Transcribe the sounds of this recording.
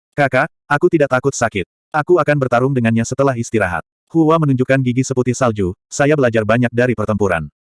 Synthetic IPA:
kaka | ʔakut̪idaʔ̚t̪akʊt̪̚sakɪt̪̚ | ʔakuakanbərt̪aɾʊŋdəŋanɲasət̪əlaɦist̪iɾaɦa̰t̪̚ | huwamənuɲd͡ʒukanɡiɡisəput̪ɪhsald͡ʒusajabəlad͡ʒarbaɲak̚daɾipərt̪əmpuɾa̰n

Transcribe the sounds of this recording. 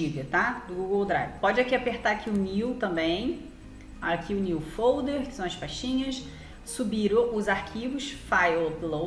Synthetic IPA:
ilɐt̪ad̪ʊɡuɡowd̪ɾa̰jvɪpɔd͡ʒɪakiapeɾt̪aɾakʰiʊniwt̪ɐ̃mbẽj̃ | akʰiʊniwfowd̪eɾkɪ̥sɐ̃w̃ɐspaʃĩɲɐs | subiɾɐ̃ʊzaɾkʰivʊʃfajoplo

